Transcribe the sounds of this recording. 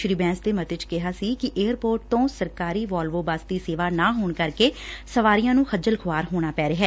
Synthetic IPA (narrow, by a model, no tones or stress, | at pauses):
ʃɾiːbɛ̃ːsd̪eːmət̪ɪt͡ʃkɪɦaːsiːkɪʔeːəɾpoːɾʈ̚t̪õːsəɾkaːɾiːʋɔːlʋoːbasd̪iːseːʋaːnaːɦoːɳkəɾkeːsəʋaːɾijãːnũːxʰəd͡ʒəlkʰʊʋaːɾɦoːɽ̃aːpɛːɾeːɦɛː